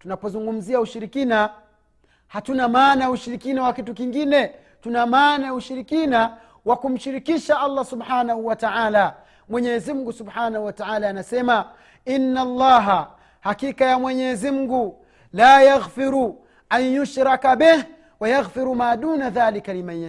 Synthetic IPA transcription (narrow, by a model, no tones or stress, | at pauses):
tunapɔzuŋɡum̩ziauʃiɾikina | hatunamaːnauʃiɾikinawakitukiŋɡinɛ | tunamaːnauʃiɾikina | wakum̩ʃiɾikiʃaʔalˤːasubħaːnahuwataʕaːla | mwɛɲɛzim̩ɡusubħaːnahuwataʕaːlaːnasɛma | inːalˤːɑːɦa | hakikajamwɛɲɛzim̩ɡu | laːjaɣfiɾu | ʔaɲjuʃɾakabɛh | wajaɣfiɾumaːɗuːnaðaːlikalimaa